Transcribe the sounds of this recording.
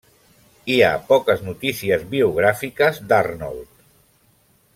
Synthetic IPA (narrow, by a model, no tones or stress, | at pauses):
ia̰pɔkəznut̪isiəzβiuɣ̞ɾafikəzd̪arnɔ̰lˠt̪